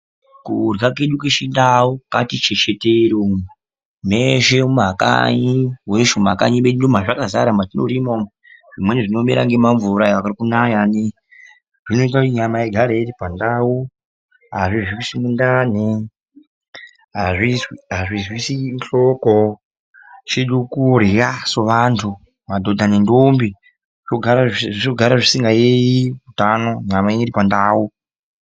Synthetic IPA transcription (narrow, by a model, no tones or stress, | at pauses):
kurɡakeɗukeʃindawokatit͡ʃet͡ʃeteɾo | meʃemaka̰ɲiweʃomakaɲiɓendom̤aʐakazaɾamatino̰ɾimo | ʐ̥imweneʐino̞meɾa̰ŋɡe̞maɱvuɾaeʋakarikunajani | ʐino̞it̬autiɲamaeɡʱaɾeeɾipandawu | ɦaʐiʐikusimundaːni | ɦaʐiziɦaʐizwisinɬoko | t͡ʃeɗokuoɾejasoʋaːntʰu | madʱodʱanindombi | ʐt͡ʃoɡʱaɾait͡ʃoɡʱaɾaʐisiŋɡajejiutanoɲamaeiɾipandaːwu